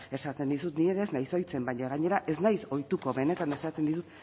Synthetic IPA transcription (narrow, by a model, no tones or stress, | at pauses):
e̞sat̪e̞nd̪isut̪nieðeznajso̞jt͡se̞mbaɲaɣ̞aɲe̞ɾaʔe̞znajso̞jt̪ukoβe̞ne̞t̪ane̞sat̪e̞nd̪it̪utt̪